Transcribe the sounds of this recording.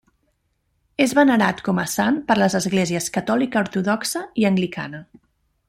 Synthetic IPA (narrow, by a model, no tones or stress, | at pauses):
ezβənəɾat̪kɔməsampəɾləzəzɣleziəskət̪ɔlikəuɾt̪uðɔksəiəŋɡlikʰa̰nə